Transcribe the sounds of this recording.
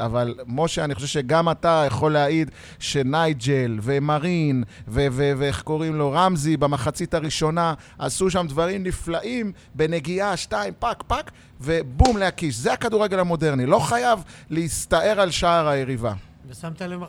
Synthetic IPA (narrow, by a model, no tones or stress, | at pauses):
avalmo̞ʃeaniχoʃevʃe̞ɡamatajaχo̞lːeaid̪ | ʃe̞najd͡ʒelvemaʁinveveveeχko̞ʁimlo̞ʁamzibamaχat͡sitaʁiʃo̞na | asuʃ̬amdvaʁimniflaʔim | be̞ne̞ɡiaʃtaimpakpak | ve̞bumlehakiʃzeakaduʁeɡelhamo̞de̞ʁnilo̞χajavleist̪aʔe̞ʁalʃaːʁajeʁiva̰ | samt̪ale